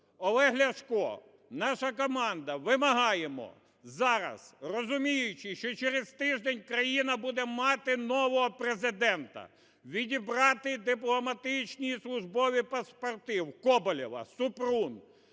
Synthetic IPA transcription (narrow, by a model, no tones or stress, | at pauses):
ɔlˠɛɦlʲɐʃkɔ̰ | nɑʃɐkɔmɑnd̪ɐʋɪmɐɦɑjemɔ̰ | zɑɾɐ̰z̥rɔzʊmʲijʊt͡ʃɪʃt͡ʃɔt͡ʃɛɾezt̪ɪʒd̪ɛnʲkɾɐjinɐbud̪ɛmɑt̪ɪnɔʋɔɦɔpɾezɪd̪ɛnt̪ɐ̰ | ʋʲidʲibɾɑt̪ɪd̪ɪplˠɔmɐt̪ɪt͡ʃnʲijislˠʊʒbɔʋʲipɐspɐrt̪ɪwkɔbɔlʲɔʋɐ̰sʊpɾun